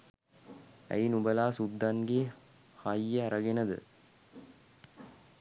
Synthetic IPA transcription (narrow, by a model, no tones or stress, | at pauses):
æ̰inubɐlaːsud̪ːanɡe | hajːəæɾɐɡenəd̪ɨ̰